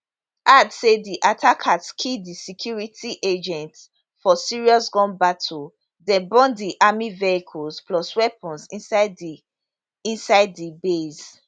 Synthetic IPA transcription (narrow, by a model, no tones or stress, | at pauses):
ʔadsediʔatʰakʰatkʰidisikʰjuɹitʰiʔed͡ʒɛ̃nts | fɔsiɹiɔsɡɔ̃nbatʰɔ | dɛ̃nbɔ̃ndiʔamiveikʰɔspʰlɔswɛpʰɔ̃nsĩ | ĩnsaɪdːibez